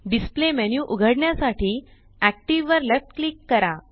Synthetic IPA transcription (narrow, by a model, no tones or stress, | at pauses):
ɖisplemenjuʔuɡʱəɽɳjasaʈiː | æk̚ʈiʋːəɾlefʈklikːəɾa